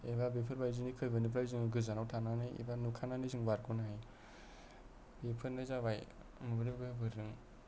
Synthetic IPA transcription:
ebabipʰɯɾbajzɯnikʰɯjbɯnip̬ʰɾajzɯŋɯɡɯzanawtʰananɯjḭbanukʰananizɯŋbaɾɡunaij | bipʰɯɾnɯjzabaj | mɯbɯɾibbebʰɯɾɯŋ

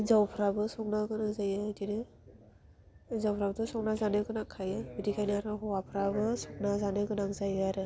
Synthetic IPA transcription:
zawpʰɾabɯsɔk̚naɡɯnaŋzajɯtinɯ | zawpʰɾabɯtɔsɔk̚nazanɯɡɯnakʰːajɯbidikʰajniaɾaɦɔwapʰɾabɯsɔk̚nazanɯɡɯnaŋzajɯaɾɯ

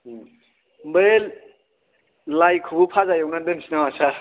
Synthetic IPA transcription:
be | lajkʰubɯpʰazajɯwnadɯnsinawasa

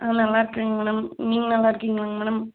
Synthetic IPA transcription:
ʔaːnɐlːaːɪɾɯkːɯŋɡɐmeːɽɐmniːŋɡɐnɐlːaːɪɾɯkːiŋɡɐɭaŋɡɐmeːɽɐm

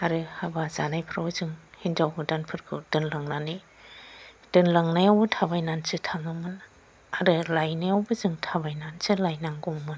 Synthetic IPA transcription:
aɾɯhabaza̰najpʰɾawzɯŋhind͡ʒawɦɯdanpʰɯɾkʰɯdɯnlaŋnani | d̥ɯnlaŋnajawbɯtʰabajnansɯtʰaŋɯmɯn | aɾɯlajnajawbɯzɯŋtʰabajnansɯlajnaŋɡɔmmɯn

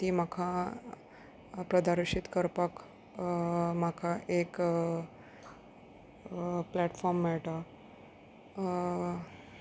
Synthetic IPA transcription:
t̪iːm̤akʰa | pɾəd̪aɾʂit̪kəɾpak | makʰaʔek | plɛʈfɔɾmːɛɭʈa

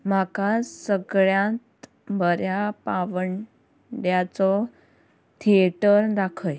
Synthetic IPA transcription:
m̤akasəɡɭjãt̪ | bʱəɾjapaʋəɳ | ɖjat͡sɔ | t̪ʰieʈəɾd̪akʰəj

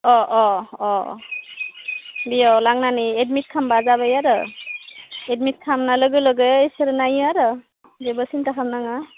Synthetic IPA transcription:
ɔʔɔɔ | bijawlaŋnaniet̚mit̚kʰambazabajaɾɯ̰ | et̚mit̚kʰamnalɯɡɯlɯɡɯjsɯɾnajaɾɯ | bebɯsintakʰamnaŋa

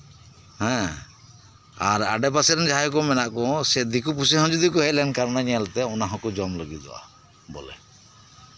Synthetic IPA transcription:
hɛ̃ | aɾa̰ɖɛp̬asɛɾɛnd͡ʒaɦajkɔmɛnaʔkɔsɛd̪ikupus̬ɛɦɔ̃d͡ʒud̪ikuɦɛlɛɳɖkaɾnaɲɛɛlt̪ɛɔnaɦɔ̃kud͡ʒɔmləɡid͡ʒɔ̰ʔa̰ | bɔ̰lɛ̰

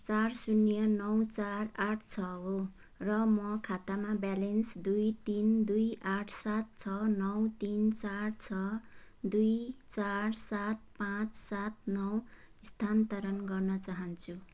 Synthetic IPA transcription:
t͡sarsunjʌnʌwt͡saraʈʰt͡sʰʌɦo | rʌmʌkʰat̪amabalensd̪ujt̪ind̪ujaʈʰsat̪̚t͡sʰʌnʌwt̪int͡sart͡sʰʌ | d̪ujt͡sarsat̪̚pãt͡ssat̪̚nʌw | ist̪ʰant̪ʌɾʌnɡʌrnʌt͡saɦʌnt͡sʰu

